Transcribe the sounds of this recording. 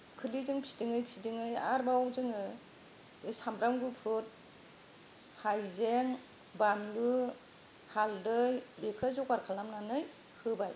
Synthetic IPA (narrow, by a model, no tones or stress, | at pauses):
kʰɯlizɯŋpʰi̥diŋɯjpʰsidiŋɯjaɾbawɔŋzɯŋɯ | ɯsamɾamɡɯpʰut̚ | hajzeŋ | bamlɯ | haldɯjbekʰɯzɔkaɾkʰalamnanɯj | hɯbaj